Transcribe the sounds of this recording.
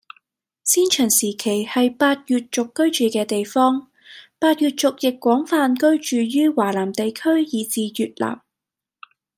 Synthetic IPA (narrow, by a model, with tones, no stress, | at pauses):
siː˥nt͡ʃʰœː˨˩ŋsiː˨˩kʰe˨˩jhɐ˨jpaː˧t̚jyː˨t̚t͡sʊ˨kːɵ˥ɥt͡ʃyː˨kɛː˧t̪e˨jfɔː˥ŋ | paː˧t̚jyː˨˧t̚t͡sʊ˨k̚jɪ˨kːwɔː˨˥ŋfaː˧nkɵ˥ɥt͡ʃyː˨jyː˥waː˨˩laː˨˩mt̪e˨jkʰɵ˥ɥjiː˨˧t͡siː˨˧jyː˨t̚la̰ː˨˩m